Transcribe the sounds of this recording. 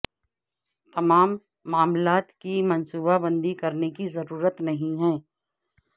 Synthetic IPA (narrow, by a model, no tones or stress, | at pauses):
t̪ɐmaːmː | aːmlaːt̪kimɐnsuːbabɐ̃nd̪ikɐɾnekizɐɾuːɾət̪nɐɦĩɦɛ̃ː